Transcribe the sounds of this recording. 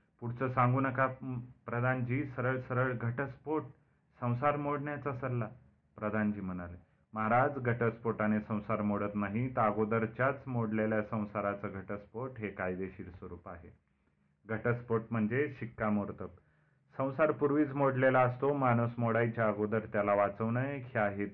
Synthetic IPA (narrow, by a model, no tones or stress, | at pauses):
puɽt͡səsãŋɡuːnəkapɾəd̪ʱand͡ʑiːsəɾəɭsəɾəɭɡʱəʈəspoʈ | sə̃w̃saɾmoɽɳjat͡sasəlːa | pɾəd̪ʱand͡ʑiːm̤əñale | məɦaɾad͡zɡʱəʈəspoʈanesə̃w̃saɾmoɽət̪naɦit̪aɡod̪əɾt͡ɕjat͡smoɽleljasə̃w̃saɾat͡səɡʱəʈəspoʈɦekajd̪eɕiːɾsʋəɾuːpaɦḛ | ɡʱəʈəspoʈm̤əɳd͡zeɕikːamoɾt̪ək | sə̃w̃saɾpuɾʋiːt͡smoɽlelaəst̪omaɽ̃usmoɽajt͡ɕaaɡod̪əɾt̪jalaʋat͡səʋnəkʰeaɦet̪̚